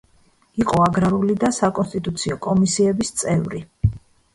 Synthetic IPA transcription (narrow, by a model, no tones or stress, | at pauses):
iqʼɔaɡɾaɾulid̪asakʼɔnst̪ʼit̪ʼut̪sʰiɔkʼɔmisiɛbist̪sʼɛvɾi